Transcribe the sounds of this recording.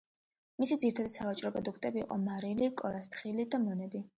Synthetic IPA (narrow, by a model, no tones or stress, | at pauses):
misid̪ziɾit̪ʰad̪at̪savat͡ʃʼɾɔpʼɾɔd̪ukʰt̪ʼɛbḭːqʼɔmaɾilikʼɔlast̪ʰχilid̪amɔnɛbi